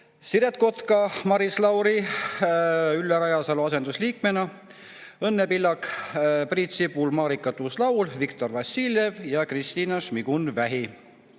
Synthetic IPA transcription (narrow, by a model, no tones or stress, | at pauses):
siɾet̪̚ko̞t̪kɑmɑɾislɑwɾi | ylːeɾɑjɑsɑluɑse̞nd̪usliːkme̞nɑ | ɤnːepilːɑkpriːt̪sipulmɑːɾikːˑɑt̪uslɑwlvikt̪o̞rvɑsilje̞vjɑkrist̪iːnɑʃmiɡ̥unvæɦi